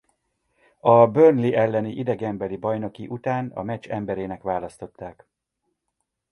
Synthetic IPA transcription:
ɒbørnliʔɛlːɛniʔid̪ɛɡɛmbɛlibɒjno̞kiʔut̪aːnɒ̰mɛt͡ʃːɛmbɛɾeːnɛkʋaːlɒst̪o̞t̪ːaːk

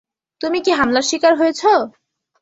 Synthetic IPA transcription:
t̪umikiɦamlaɾʃikaɾɦojet͡ɕʰo

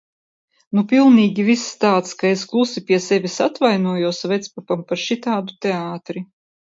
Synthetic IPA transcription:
nupʲilˠniːɡʲivisːt̪aːt̪skaesklˠusipʲiɛsevʲisat̪vajnuɔjuɔsvɛt̪spapampaɾʃit̪aːd̪ut̪eaːt̪ɾi

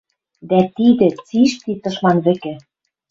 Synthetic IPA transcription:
d̪æt̪id̪ɘ̆t͡siʃt̪it̪ɤ̆ʃmɑnβɘ̆kɘ̆

